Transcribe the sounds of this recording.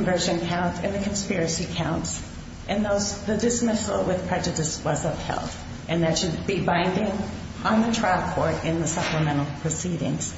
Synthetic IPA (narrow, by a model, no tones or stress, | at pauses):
ɱvɜ˞ʒɨ̃nkʰãʊ̃ntʰɨ̰̃nðɨkʰɨ̃n̩spɪɹɨsikʰãʊ̃nts | ʔɨ̃nðoʊzðɨdɨsmɪsl̩ˠwɪð̥pʰɹ̥ɛd͡ʒɨɾɨswʌzʌv̥hɛ̰lˠθ | ʔɨ̃nðɨtʃɨd̚bibãɪ̃ndɪ̃ŋ | ʔə̃nðɨtʰɹ̥ækʰɔɹɾɪ̃nðɨsʌpləmɛ̃ɾ̃l̩ˠpʰɹ̥ɨsiɾɪ̰̃ŋz̥